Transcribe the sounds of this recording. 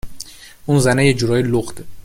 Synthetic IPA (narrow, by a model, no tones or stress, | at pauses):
ʔunzænejed͡ʒuɾɒːjeloχd̪e